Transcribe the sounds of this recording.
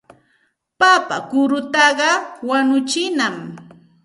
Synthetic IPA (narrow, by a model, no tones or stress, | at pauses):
papakʊɾʊt̪ɑɢɑwanʊt͡ʃɪnam